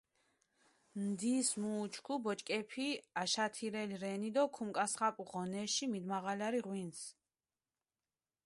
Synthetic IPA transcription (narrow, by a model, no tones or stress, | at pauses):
md̪ismuːt͡ʃʰkʰubɔt͡ʃʼkʼɛpʰiaʃat̪ʰiɾɛliɾɛnid̪ɔkʰumkʼasχapʼuʁɔnɛʃimid̪maʁalaɾiʁwins